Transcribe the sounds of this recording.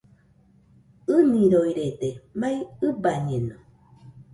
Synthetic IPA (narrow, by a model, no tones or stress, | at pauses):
ɨnĩɾoiɾet̪emajɯbaɲeno